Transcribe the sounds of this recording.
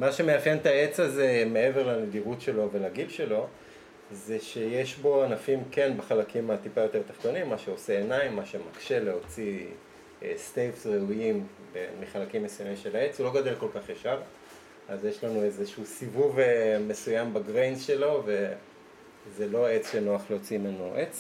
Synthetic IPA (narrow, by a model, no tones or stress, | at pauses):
maʃe̞mejaχjent̪ae̞t͡saze̞me̞e̞veʁlanediʁutʃe̞lo̞ve̞laɡilʃe̞lo̞ | ze̞ʃe̞je̞ʃbo̞anafimke̞nbaχalakimat̪ipajo̞t̪e̞ʁt̪ḁχt̪o̞nimːaʃe̞o̞seːnaimːaʃemakʃe̞le̞ɦo̞t͡si | st̪ejvsʁeujim | bemiχalakimːesujamimʃe̞lae̞t͡sulo̞ɡod̪elko̞lkaχjaʃaʁ | azjeʃlanuezeʃusivuvme̞sujambaɡʁejnsʃe̞lo̞ve̞ | zelo̞e̞t͡sʃeno̞aχleot͡simenoʔet͡s